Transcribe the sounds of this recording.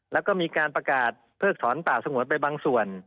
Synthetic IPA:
lɛː˦˥wkɔː˥˩miː˧kaː˧npɾa˧kaː˨˩t̪̚pʰɤː˥˩k̚t̪ʰɔː˩˦npaː˨˩w̚sa˧ŋu˩˦pa˧jbaː˧ŋsu˨˩ən

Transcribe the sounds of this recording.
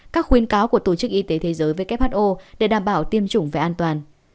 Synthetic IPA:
kaː˦˥k̚xwi˨˦ənkaː˨˦wku˧˩ət̪o˧˩t͡ɕɨ˦˥k̚ʔi˧t̪e˨˦t̪ʰe˨˦zəː˨˦jvəː˨˦jkɛ˦˥p̚haː˦˥t̚ʔo˧ɗe˧˩ɗaː˧˩mɓaː˧˩wt̪i˧əmt͡ɕʊ˧˩ŋ͡mva˨˩ʔaː˧nt̪waː˨˩n

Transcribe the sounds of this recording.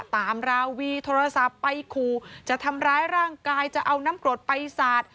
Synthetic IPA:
t̪aː˨˦mɾaː˧wwiː˧t̪ʰoː˧ɾa˧sa˨˩pːa˧jkʰuː˨˩t͡ɕa˨˩ʔt̪ʰa˧mɾaː˦˥jɾaː˥˩ŋkaː˧jt͡ɕa˨˩ʔa˧wnaː˦˥mklu˨˩t̪̚pa˧jsaː˨˩t̪̚

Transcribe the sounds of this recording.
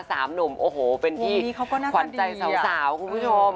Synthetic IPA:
saː˩˦mno˩˦mʔoː˧˩hoː˨˩pe˧nt̪ʰiː˥˩˦kʰa˦wkɔː˥˩naː˥kʰwa˧nt͡ɕa˧jsa˨˦˧saː˩˦wkʰu˧npʰu˥˩t͡ɕʰo˧m

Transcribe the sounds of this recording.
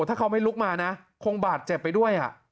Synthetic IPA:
t̪ʰaː˥˩kʰwma˥˩jlu˦˥k̚maː˧na˦˥ | kʰo˧ŋbaː˨˩t̪̚t͡ɕe˨˩pːa˧jdu˥˩əjʔa̰˨˩ʔ

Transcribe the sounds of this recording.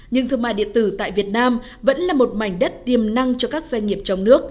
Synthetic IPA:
ɲɨ̰˧ŋt̪ʰɨ˧˩əma̰ː˧˨jɗḭ˧˨ət̪ɨ˧˩t̪a̰ː˧˨jvi˨˩ət̚naː˧m | və̰˧˥nlaː˨˩mo˨˩t̚ma˨˩jŋ̟ɗə˦˥t̚t̪i˨˩əmna˧ŋt͡ɕɔ˧kaː˦˥k̚zwa˧ŋŋi˨˩əp̚t͡ɕɔ˧wŋ͡mnɨ˦˥ək̚

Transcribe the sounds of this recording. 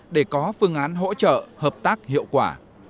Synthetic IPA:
ɗe˧˩kɔ˨˦fɨ˧əŋʔaː˨˦nɦo̰˧˥t͡ɕə̰ː˧˨həː˨˩p̚t̪aː˦˥k̚hḭ˧˨əwkwaː˧˩

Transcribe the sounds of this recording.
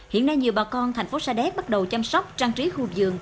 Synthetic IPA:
hḭ˧˨ənːa˧jɲi˨˩əwɓaː˨˩kɔ˧nt̪ʰjŋ̟fo˨˦saː˧ɗɛ˦˥p̚ɓa˦˥t̚ɗə˨˩wt͡ɕa˧msɔ˦˥wk͡p̚t͡ɕaː˧ŋt͡ɕi˨˦xu˧zɨ̰˨˧˨əŋ

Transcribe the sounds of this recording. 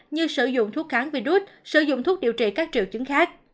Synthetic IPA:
ɲɨ˧sɨ˧˩zʊ̰˧˨ŋ͡mt̪ʰu˦˥k̚xaː˨˦ŋvi˧˩ɗu˦˥t̚sɨ̰˧˩zʊ̰˧˨ŋ͡mt̪ʰu˦˥k̚ɗi˧˨əwt͡ɕḭ˧˨˩kaː˦˥k̚t͡ɕi˨əwt͡ɕɨ˨˦ŋxaː˦˥k̚

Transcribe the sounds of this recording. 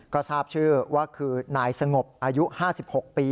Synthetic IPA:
ka˧t͡ɕʰaː˥˩p̚t͡ɕʰɯː˥˩waː˥˩kʰɯː˧naː˩˦jsa˧ŋo˨˩p̚ʔaː˧ju˦˥ʔhaː˥˩si˨˩p̚ho˨˩k̚piː˧

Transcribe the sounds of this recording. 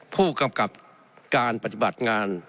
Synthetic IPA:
pʰuː˥˩ka˧mka˨˩p̚ | kaː˨npa˧t̪ʰi˧ba˨˩t̪̚ŋaː˧n

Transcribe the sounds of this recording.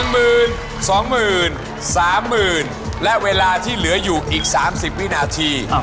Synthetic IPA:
ŋmɯː˨˩n | sɔː˩˦ŋmɯː˨˩n | saː˩˦mːɯː˨˩n | lɛ˦˥ʔweː˧laː˧t̪ʰiː˥˩lɯ˩˦ɐjuː˨˩ʔiː˨˩k̚saː˩˦msi˨˩p̚wi˥˩˨naː˧t̪ʰiː˧

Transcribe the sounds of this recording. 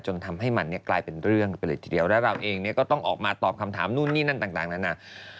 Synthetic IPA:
t͡ɕo˧nt̪ʰa˧mɦa˥˩jma˧nːi˥˩ɐklaː˧jpe˧nɾɯ˥˩əŋpa˧lɯ˨˦˩t̪ʰi̥ː˨˧˩di˧əwlɛ˦˥ɾa˧wʔeː˧ŋni˥˩ɐkɔː˥˩t̪ɔ˥˩ŋʔɔː˨˩k̚maː˧t̪ɔː˨˩p̚kʰa˧mt̪ʰaː˩˦mnuː˥˩nːiː˥˩na˥˩nt̪aː˨˩ŋt̪aː˨˩ŋna˦˥na˦˧˥

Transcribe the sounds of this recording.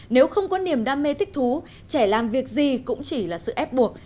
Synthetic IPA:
ne˨˦wxə˧wŋ͡mkɔ˨˦ni˨˩əmɗaː˧mːe˧t̪ʰï˦˥k̟̚t̪ʰu˨˦ | t͡ɕɛ˧˩laː˨˩mvi˨˩ək̚zi˨˩kʊ̰˧˥ŋ͡mt͡ɕi˧˩laː˨˩sɨ̰˧˨ʔɛ˦˥p̚ɓu˨˩ək̚

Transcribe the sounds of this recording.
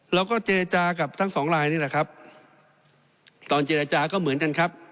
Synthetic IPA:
ɾɛː˦˥wkɔː˥˩t͡ɕeː˧ɾa˧t͡ɕaː˧ka˨˩p̚t̪ʰa˥˩ŋsɔː˩˦ŋɾaː˧jniː˥˩lɛ˨˩kʰa˦˥p̚ | t̪ɔː˧nt͡ɕe˧˩ɾa˧t͡ɕaː˧kɔː˥˩mɯ˩˦nka˧nkʰa˦˥p̚

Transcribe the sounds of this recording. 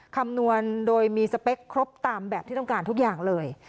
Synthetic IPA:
kʰa˧mnu˧əndoː˧jmiː˧sa˧pe˦˥kʰːɾo˦˥p̚t̪aː˧mbɛː˨˩p̪̚ʰiː˥˩ɔ˥˩ŋkaː˧nt̪ʰu˦˥k̚jaː˨˩ŋlɤː˧j

